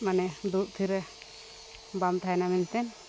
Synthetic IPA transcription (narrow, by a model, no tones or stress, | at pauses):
manɛd̪uʔ̪̚t̪ʰiɾɛ | bamt̪ʰaɛnamint̪ɛn